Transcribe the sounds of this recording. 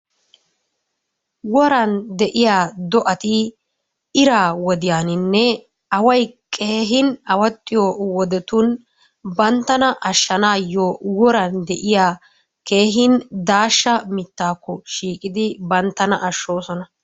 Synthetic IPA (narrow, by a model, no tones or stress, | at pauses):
wɔɾɐnd̪ɛʔɪjaːd̪ɔʔɐt̪ɪ | ɪɾaːwɔd̪ɪjaːnɪnːɛ | ɐwɐjkʼeːɦɪnɐwɐt̪ʼːɪjowɔd̪ɛt̪ʊn | bɐnt̪ːɐnɐʔɐʃːɐnaːjowɔɾɐnd̪ɛʔɪjaː | ke̞ːɦɪnd̪aːʃːɐmɪt̪ːaːkːɔʃiːkʼɪd̪ɪbɐnt̪ːɐnɐʔɐʃːo̞ːsɔnɐ